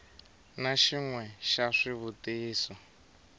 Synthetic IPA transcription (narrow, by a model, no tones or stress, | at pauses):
naʃiŋwɛʃaʂiβutiːsɔ